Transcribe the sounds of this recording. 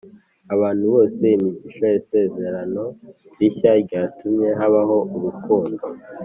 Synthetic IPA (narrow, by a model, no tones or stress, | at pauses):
aβaːn̥huβo̞ːseimiɟiʃojese̞ze̞ɾano̞ | ɾiçaɾɟaːtʰumɲe̞ɦaβaho̞ʔuɾukuːndo̞